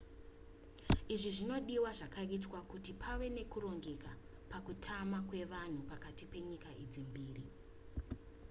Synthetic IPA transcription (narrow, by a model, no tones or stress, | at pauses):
iʐiʐino̞ɗiwaʐakaitwakutipʰawe̞ne̞kuro̞ŋɡe̞ka | pakutʰamakwe̞ʋan̤upakatipe̞ɲikaid͡zimbiːri